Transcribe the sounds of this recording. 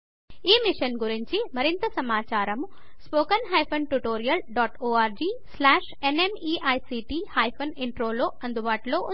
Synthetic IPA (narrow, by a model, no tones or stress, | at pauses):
iːmiʂɐnɡuɾiɲt͡ʃimɐɾint̪ɐsɐmaːt͡ʃaːɾɐm | spoːkɐnɦɐjpʰɐnʈuʈoːɾijɐlɖɔːʈoːaːɾd͡ʒiːslaːʂ | enemiːʔɐjsiːʈiːhaːjpʰɐniɳʈɾoːloːɐnd̪ubaːʈulo̞ːʔu